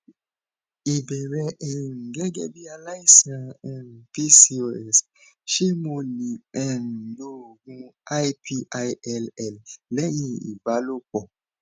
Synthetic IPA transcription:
i˨bɛ˨ɾɛ˧ʔɛ˨n̩˨ɡɛ˦ɡɛ̰˦bi˦a˧la˦i˦˨sã˧ɛ̃˦˨n̩˨pi˦si˧˦o˧ɛ˦˨s | ʃe˦mo˧li˨ɛ˨n̩˨lo˦˨ɡũ˧a˦jpʰi˧ʔa˧jɛ˦˧lɛ˦˨llɛ˦j̃ĩ˧ḭ˨ba˨˦lo˦k͡pɔ˨

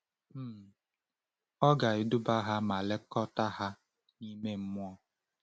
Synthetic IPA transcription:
m̩˦˨ | ɔ˦ɡa˨ɪ˦du˦ba˦ɦa˦ma˨le˦kɔ˦ta˦ɦa˦ | ni˦me˦m̩˦mʊ˦ɔ˦

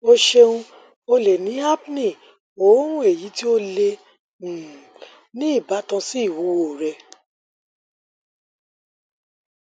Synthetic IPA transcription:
o˧ʃe˧ũ˧ | o˧le˨nĩ˨˦a˦bnĩ˦˨ | o˨˦ũ˦e˦˨ji˨˦ti˦o˦lẽ˧˨ | nĩ˦i˦˨ba˨˦tã˧si˦i˦˨wo˨˦o˨ɾɛ˧

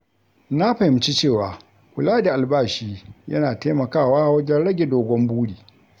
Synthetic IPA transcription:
na˦ɸɐ˨hɪ˦mt͡ʃi˦t͡ʃeː˦˨waː˨ | kʷʊ˨laː˦da˨ʔa˨lbaː˦ʃiː˦jɐ˦naː˨teː˦mɐ˨kaː˦˨waː˦wɐ˦d͡ʒɛ˦nɽɐ˦ɡʲe˨doː˨ɡʷɔ˦mbuː˦ɽiː˨

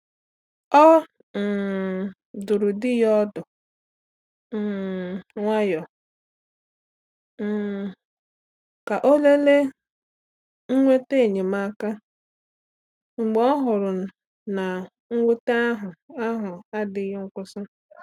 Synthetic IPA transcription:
ɔ˦ | m̩˨ | dʊ˨ɾʊ˨dɪ˦jɔ˦dʊ˨ | ŋʷa˦jɔ˨ | m̩˨ | ka˨ʔo˦le˦le˦ | ŋ̩˦ŋʷe˦te˦˨ɲe˨ma˦ka˦ | ŋ͡m̩˨ɡ͡bɔ˦ɦʊ˨ɾʊ˨ | na˨ | ŋ̩˦ŋʷe˦ta˦a˦ɦʊ˨a˦ɦʊ˨a˦dɪ˨jɔ˦ŋ̩˦kʷʊ˦sʊ˦

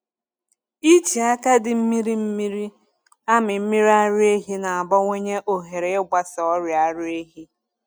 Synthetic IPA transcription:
i˦t͡ʃi˨a˦ka˦dɪ˨m̩˦mi˦ɾi˦m̩˦mi˦ɾi˦ | a˦mɪ˨m̩˦mi˦ɾa˦ɾʊ˦e˦ɦi˦na˨a˨bɔ˦ŋʷe˦ɲe˦ʔo˨ɦe˨ɾe˨ɪ˦ɡ͡ba˨sɔɔ˦ɾja˦ɾʊ˦e˦ɦi˦

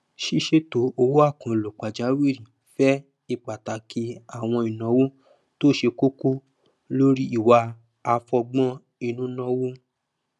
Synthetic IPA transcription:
ʃi˦ʃe˦to˨˦o˧wo˦a˦˨kã˧˨lo˨k͡pa˨d͡ʒa˨˦wi˦˨ɾĩ˨ | fɛ˦ | i˧˨k͡pa˨ta˨˦ki˧˦a˨w̃ɔ̃˧i˨nã˨˦wu˦ | to˦˨ʃe˧ko˦ku˦ | lo˦ɾi˦i˦˨wa˧ | a˧fɔ˧ɡ͡bɔ̃˦ | i˧nũ˦nɔ̃˦wu˦

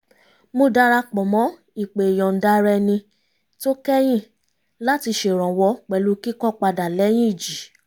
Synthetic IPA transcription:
mo˧da˧˦ɾa˧k͡pɔ˨mɔ̃˨˦ | i˨k͡pe˨j̃ɔ̃˨n̩˨da˦ɾɛ˧nĩ˧ | to˦kɛ˦j̃ĩ˦˨ | la˦ti˧ʃe˨ɾ̃ɔ̃˨wɔ˧˦k͡pɛ˨lu˨˦ki˦kɔ˦k͡pa˧da˨lɛ˨˦j̃ĩ˦i˨d͡ʒi˨˦

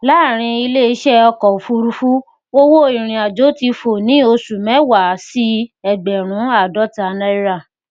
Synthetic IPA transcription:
la˨˦˨ɾ̃ĩ˧i˧le˦i˧˦ʃɛ˦ɔ˧kɔ˨fu˧˦˧ɾu˧fu˦ | wo˦wo˦i˨ɾ̃ĩ˨a˨d͡ʒo˨˦ti˧fo˨nĩ˨˦o˧su˨mɛ̃˨˦wa˨˦si˦ɛ˨ɡ͡bɛ˨ɾ̃ũ˨˦a˦˨dɔ˨˦ta˧nɛ˦i˦ɾa˦˨

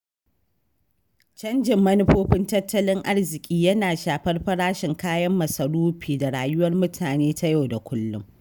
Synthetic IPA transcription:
t͡ʃɐ˦nd͡ʒɪ˨mːɐ˦nɪ˦ɸoː˦ɸɪ˦ntɐ˦tːɐ˦lɪ˦ŋʔa˦rzɪ˨kʲʼiː˦jɐ˦naː˨ʃaː˨ɸɐ˦rɸɐ˦ɽaː˦ʃɪ˨ŋkaː˦jɐ˦mːɐ˨sɐ˨ɽuː˦ɸiː˨da˨ɽaː˨jʊ˦wɐ˦rmʊ˦tʰaː˨neː˦ta˦ja˦wda˨kʷʰʊ˦lːʊ̰˦ŋ

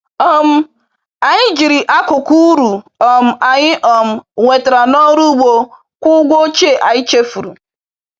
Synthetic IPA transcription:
ɔ˦m̩˦ | a˨ɲɪ˦d͡ʒi˨ɾi˨ʔa˦kʊ˨ku˦ɾu˨ɔ˨m̩˦a˨ɲɪ˦ʔɔ˨m̩˦ŋʷe˨ta˨ɾa˨nɔ˦ɾu˦ɡ͡bo˨ | kʷʊ˦ɡʷo˦t͡ʃe˦˨ʔa˨ɲɪ˦t͡ʃe˦fu˨ɾu˨

